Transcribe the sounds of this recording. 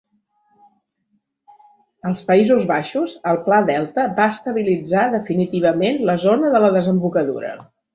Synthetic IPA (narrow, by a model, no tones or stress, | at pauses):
əlˠspəizuzβaʃuzəlˠplaðɛlˠt̪əbaəst̪əβilid͡zaðəfinit̪iβ̞əmenləzonəðələðəzəmbukəðṵɾə̰